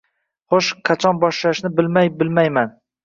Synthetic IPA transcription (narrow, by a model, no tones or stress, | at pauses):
χoʃqʰɑt͡ʃʰɒnbɒʃlaʃnɪbɪlmajbɪlmajman